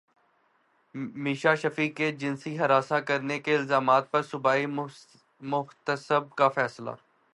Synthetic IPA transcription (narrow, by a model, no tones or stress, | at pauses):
miːʃaʃɐfiːkːed͡ʒɪnsiɦɐɾaːsakɐɾnekeɪlzaːmaːt̪̚pɐɾsʊbaːi | mʊht̪əsəb̚kafɛːsla̰